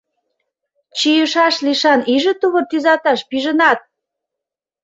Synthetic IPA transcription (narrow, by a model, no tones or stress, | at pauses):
t͡ɕijəʃɑʃliʃɑniʒə̆t̪uβərt̪yzɑt̪ɑʃpiʒə̆nɑt̪̚